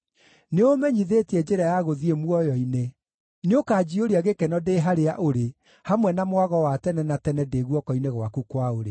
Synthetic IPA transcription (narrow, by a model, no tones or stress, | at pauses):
neomɛɲiðetiɛd͡ʑeɾajaɣoðiemwɔjɔine | neokaːd͡ʑioɾiaɣekɛnɔdeɦaɾeaʔoɾe | hamwɛnamwaɣɔwatɛnɛnatɛnɛdeːɣwɔkɔineɣwakukwaoɾḛ